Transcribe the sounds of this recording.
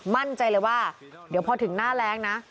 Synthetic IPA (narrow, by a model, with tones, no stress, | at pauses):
ma˥˩nt͡ɕa˧jlɤ˧jwaː˥˩ | di˩˦wpʰɔː˧t̪ʰɯ˩˦ŋnaː˥˩lɛː˦˥ŋna˦˥